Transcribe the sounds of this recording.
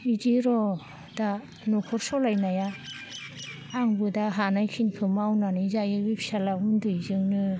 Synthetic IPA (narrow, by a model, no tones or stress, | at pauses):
idiɾɔ | da | nɔkʰɔɾsɔlajnaja | ŋbɯdaɦanajkʰinpʰɯmawnanizajɯɡipʰi̥salaundɯzɯŋnɯ